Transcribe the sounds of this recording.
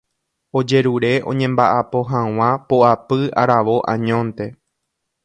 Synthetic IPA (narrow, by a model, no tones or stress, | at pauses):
o̞d͡ʒe̞ɾuɾe̞ʔõ̞̰ɲẽ̞mbaʔapo̞ɦãw̃ãpoʔapɨa̰ɾaʋo̞ʔã̰ɲõ̞nt̪e̞